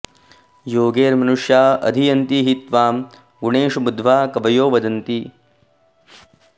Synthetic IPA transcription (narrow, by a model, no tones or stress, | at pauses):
joːɡeːɾmɐnuʂjaːɐ̰d̪ʱijɐnt̪iɦit̪ʋaːm | ɡuɳeːʂubud̪ʋaːkɐbɐjoːʋɐd̪ɐnt̪i